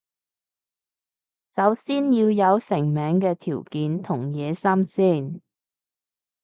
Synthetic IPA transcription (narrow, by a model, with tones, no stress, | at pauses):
sɐ˨˧wsiː˥njiː˧wjɐ˨˧wsɪ˨˩ŋmɛː˨˥ŋkɛː˧t̪ʰiː˨˩wkiː˨˧nt̪ʰʊ˨˩ŋjɛː˨˧sɐ˥msiː˥˩n